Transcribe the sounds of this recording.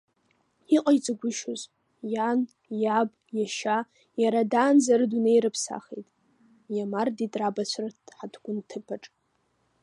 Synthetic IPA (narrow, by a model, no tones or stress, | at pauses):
iqʼajt͡sʼaɡʷʊʃoz | jan | jabʼjaʃa | jaɾadaːnzaɾɨdunejɾɨpʰsa̰χḛjtʼ | jamarditʼrabat͡ɕʷʰɨrtʼħatʰɡʷʼʊntʰɨpʰaʈ͡ʂʼ